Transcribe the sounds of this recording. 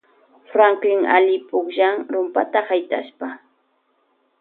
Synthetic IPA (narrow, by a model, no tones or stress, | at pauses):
fɾaŋklɪŋa̰ʎɪpʼʊkʒaŋɾʊmpat̪ahajt̪ʼa̰ʃpa